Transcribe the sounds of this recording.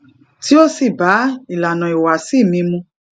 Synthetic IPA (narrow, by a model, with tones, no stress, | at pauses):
ti˦o˦si˦˨ba˨˦i˨la˨nã˨i˨wa˨si˦˨mĩ˧mũ˧